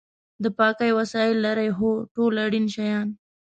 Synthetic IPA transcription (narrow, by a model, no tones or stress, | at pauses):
d̪əpɑkajwasɑɪlːaɾajɦoʈolaɽinʃajɑn